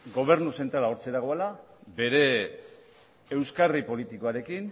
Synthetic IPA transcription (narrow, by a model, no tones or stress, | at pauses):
ɡo̞β̞e̞ɾnuse̞nt̪ɾalao̞ɾt͡seɾaɣo̞alabe̞ɾe̞ | wskaripo̞lit̪ikoaɾe̞kin